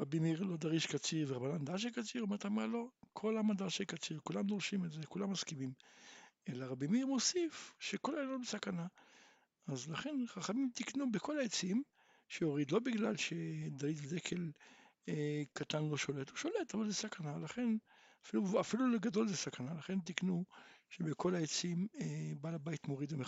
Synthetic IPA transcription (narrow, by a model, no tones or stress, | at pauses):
ʁabimiʁlo̞d̪aʁiʃkat͡siʁveʁabanand̪aʃ̬ekat͡siʁome̞t̪ʰamalo̞kʰo̞lamad̪aʃekat͡siʁkulamd̪oʁʃimelzekulamːaskimim | elaʁabimiʁmo̞sifʃekolalonbesakana | azlaχe̞nχaχamimt̪iknubekʰo̞laet͡siim | ʃeoʁid̪lo̞biɡlalʃe̞d̪alid̪ved̪ekʰel | ekat̪anlo̞ʃo̞letuʃo̞le̞tavalzesakanalaχe̞n | afiluafiluleɡado̞lzesakanalaχe̞nt̪iknuʃebekʰo̞laet͡simebalabait̪mo̞ʁid̪veme